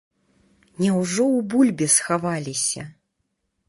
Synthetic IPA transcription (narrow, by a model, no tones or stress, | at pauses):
nʲɛwʐɔwbulʲbʲɛsxavalʲisʲɐ̰